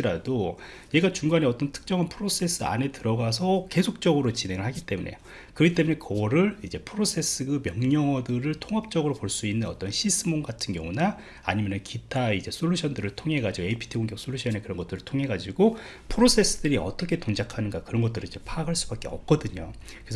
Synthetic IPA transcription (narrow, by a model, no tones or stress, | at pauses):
iɾado | ne̞ɡat͡ɕuŋɡaneʌt͈ʌntʰɯ̥k̚t͡ɕ͈ʌŋanpʰɯɾosʰe̞s͈ʰɯa̰ne̞tɯɾʌɡas̬ʰʌke̞sʰok̚t͡ɕ͈ʌɡɯɾot͡ɕine̞ŋɯɭhaɡit͈e̞munʔe̞̰jo | kɯɾɡit͈e̞mune̞kʌɾɯɭid͡ʑe̞pʰɯɾosʰe̞s͈ʰɯɡɯmjʌŋɲʌŋʌdɯɾɯɭtʰoŋɦap̚t͡ɕ͈ʌɡɯɾopoɭs͈uinːɯnʌt͈ʌnɕʰis͈ʰɯmoŋɡatʰɯnɡjʌ̰ŋuna | a̰ɲimjʌnɯnkitʰaid͡ʑe̞sʰoʎːuɕʰʌndɯɾɯɭtʰoŋɦe̞ɡad͡ʑiɡoeipʰi̥tʰiɡoŋɡjʌk̚s͈ʰoʎːuɕʰʌnekɯɾʌnŋɡʌt͈ɯɾɯɭtʰoŋɦe̞ɡad͡ʑiɡo | pʰɯɾosʰe̞s͈ɯdɯɾiʌ̰t͈ʌkʰe̞toŋd͡ʑakʰanɯnɡakɯɾʌnɡʌt͈ɯɾɯnid͡ʑe̞pʰakʰaɭs͈ubak͈̚e̞ʌ̰p̚k͈ʌdɯɲo | kɾesʰʌ